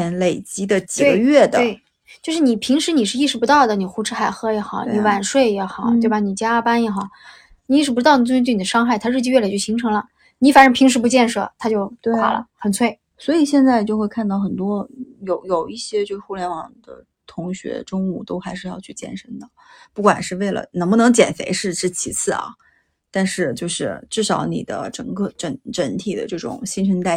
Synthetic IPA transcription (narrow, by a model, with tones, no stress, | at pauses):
ɛ˧˥nle˨˩ɪt͡ɕi˧˥d̪ə˨t͡ɕi˨˩e˥ɡə˦ɥɛ˥˩d̪əwɪ | t͡ɕjo˥˧ʊʂɻ̩˥˩ni˨˩pʰi˧˥ŋʂɻ̩˧˥ni˨˩ʂɻ̩˥˧i˥˩ʂɻ̩˧˥pu˧˥t̪ɑ˥˩ʊd̪ə˩ni˨˩xu˧˥ʈ͡ʂʰɻ̩˧˥xa˧˩ɪxɤ˥jɛ˧˥xɑ˨˩˦ʊni˧˩wa˨˩nʂwe˥˩ɪjɛ˧˥xɑ˨˩˦ʊt̪e˥˩ba˩ni˨˩t͡ɕja˥pa˥njɛ˧˥xɑ˨˩˦ʊ | ni˨˩i˥˩ʂɻ̩˧˥p̬u˧˥ɑ˥˩ni˨˩˥t̪̬n˨˩ə˦ʂɑ˥ŋxa˥˩ɪt̪ʰa˥ɻ̩˥˩t͡ɕi˥˧ɥɛ˥˩le˨˩t͡ɕjo˥˩ɕi˧˥ŋʈ͡ʂʰɤ˧˥ŋlə˧ | ni˧˥fa˨˩ʈ͡ʂə˧˥pʰi˧˥ŋʂ̬ɻ̩˧˥pu˧˥t͡ɕjɛ˥˧nʂɤ̰˥˩t̪ʰa˥t͡ɕjo˥˩ʊt̪a˨˩lə̰˦xə˨˩nt͡sʰwe˥˩ɪ | swɔ˧˥i˨˩ɕjɛ˥˧nt͡sa˥˧ɪt͡ɕjo˥˧xwe˥˧ɪkʰa˥˧nt̪ɑ˥˩ʊxə˨˩nt̪wɔ˥jo˨˧˩ʊjo˨˩ʊi˥˩ɕjɛ˥t͡ɕjo˥˧ʊʂɻ̩˥xu˥˩ljɛ˧˥nwɑ˨˩ŋd̪̥ə̰˦ | t̪ʰʊ˧˥ŋɕɥɛ̰˧˥ʈ͡ʂʊ˥ŋu˥˩t̪o˥ʊxa˧˥ɪʂɻ̩˥˧jɑ˥˧t͡ɕʰy˥˧t͡ɕjɛ̰˥˩nʂə˥nd̪ə˨pu˥˩kwa̰˨˩nʂɻ̩˥˧we˥˩ɪlə̰˨˩nə˧˥ŋbu˧nɤ˧˥ŋt͡ɕjɛ̰˨˩nfḛ˧˥ɪʂɻ̩˥˧ʈ͡ʂɻ̩˥˩t͡ɕʰḭ˧˥t͡sʰɹ̩˥˩ɐ̰˩ | t̪a˥˧nʂɻ̩˥˧t͡ɕjo˥˧ʊʂɻ̩˥˧ʈ͡ʂɻ̩˥˩ʂɑ˧˥ʊnḭ˨˩d̪ə̰˦ʈ͡ʂə̰˨˩ŋkɤ˥˧˩ʈ͡ʂə˧˥nʈ͡ʂə˧˥nt̪ʰi˨˩d̪ə̰˦ʈ͡ʂɤ˥˩ʈ͡ʂʊ̰˨˩ŋɕi˥nʈ͡ʂʰə˧˥nt̪a˥˩ɪ